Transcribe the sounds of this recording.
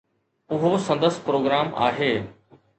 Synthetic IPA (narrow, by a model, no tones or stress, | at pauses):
ʊɦosɐ̃nd̪əspɾoːɡɾaːma̰ːɦeː